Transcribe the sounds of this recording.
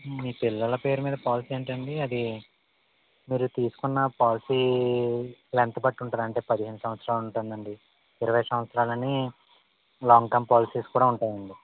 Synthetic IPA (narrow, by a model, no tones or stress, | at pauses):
miːpilːɐlɐpe̞ːɾumiːd̪ɐpaːlisiːɐɳʈɐɳɖiɐd̪i | miːɾut̪iːsu̥kunːɐpaːlisiː | lent̪ɐbɐʈːuɳʈuːd̪ɐɳʈe̞ːpɐd̪iɦeːnusɐmʋɐt̪sɾaːluɳʈund̪ɐɳɖi | iɾɐʋɐjsɐmʋɐt̪sɾaːlɐni | laːŋɡkɐmpaːlisiːskuːɽaːuɳʈaːjɐɳɖi